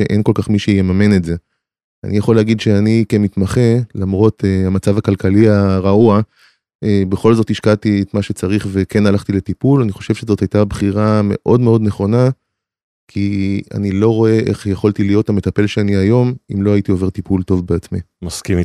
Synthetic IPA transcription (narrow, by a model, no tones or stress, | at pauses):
ʃḛʔenko̞lkaχmiʃejemamenetze̞ | a̰nijaχoleːɡidʃe̞anikemit̪maχe̞lamʁo̞teamat͡savakalkaliaʁaua | ebeχo̞lzo̞thiʃkatiet̪maʃe̞t͡saʁiχve̞ke̞nalaχt̪ile̞t̪ipulaniχo̞ʃe̞vʃezo̞thajtabχiʁame̞̰ʔo̞dme̞o̞dneχo̞na | kʰia̰nilo̞ʁo̞e̞ʔe̞̰χjeχolt̪ilijo̞thame̞t̪ape̞lʃeaniajo̞mimlo̞aitio̞ve̞ʁt̪ipulto̞vbeat͡smimaskimi